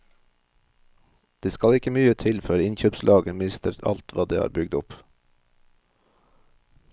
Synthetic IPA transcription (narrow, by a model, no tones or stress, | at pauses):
d̪̥eːskɑlɪkəmyːət̪ʰɪlfœɾɪnçøːpslʔɑːɡəmɪst̪əɾt̪ʰɑ̰lt̪ʋɑːd̪eːhɑ̰ːɾbʏɡd̪ʊp